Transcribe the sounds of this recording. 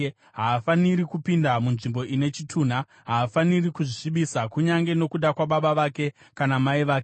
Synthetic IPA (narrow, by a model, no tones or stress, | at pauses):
ɦaːfanirikupindamunʐimbo̞ʔine̞t͡ʃitʰuːn̤a | ɦaːfanirikuʐiʂiɓisakuɲaŋɡe̞no̞kuɗakwaɓaɓaʋake̞ | kanamaiʋaːke